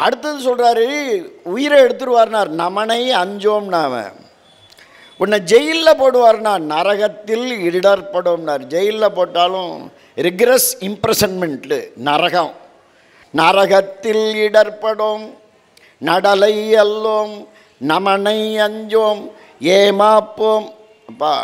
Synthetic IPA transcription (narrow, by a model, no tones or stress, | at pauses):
ʔɐɽɯt̪ːɐðɯsɔlraːɾɯʊjɪɾɐɛɽɯt̪̬ːɯɾɯʋaːɾnaːɾnɐmɐnɐɪɐɲd͡ʒoːmnaːʋɐ̰̃ | ʊnːɐd͡ʒɛjɪlːɐpoːɽɯʋaːɾnaːɾnɐɾɐɣɐt̪ːɪlɪɽɐɾpɐɽomnaːɾd͡ʒɛjɪlːɐpoːʈːaːlʊ̰̃ | ɾɪɡɾɛsɪmpɾɛsɐnmɛɳʈɯnɐɾɐɣɐ̃m | nɐɾɐɣɐt̪ːɪlɪɽɐɾpɐɽoːm | nɐɽɐlɐɪɛlːoːm | nɐmɐnɐɪɐɲd͡ʒoːm | eːmaːpːoːm | ɐpːa̰ː